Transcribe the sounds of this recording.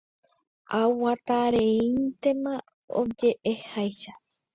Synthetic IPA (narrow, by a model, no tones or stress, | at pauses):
awwat̪aɾeĩnt̪e̞mã | o̰d͡ʒe̞ʔehajʃa